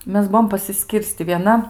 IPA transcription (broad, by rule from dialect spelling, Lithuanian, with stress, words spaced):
ˈmʲɛs ˈbuɔm pɐsʲɪˈsʲkʲiːrʲsʲtʲɪ ʋʲiɛˈnɐ